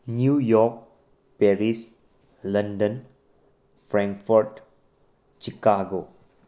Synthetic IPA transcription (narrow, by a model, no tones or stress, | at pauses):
njujɔɾk̚ | peɾis | lɐndən | pʰɾãŋkfʰɔɾt | t͡ʃikaɡo